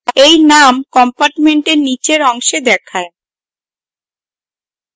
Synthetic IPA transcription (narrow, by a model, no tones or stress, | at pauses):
ejnamkɔmpaɾʈmeɳʈeɾnit͡ɕeɾɔŋʃed̪ɛkʰae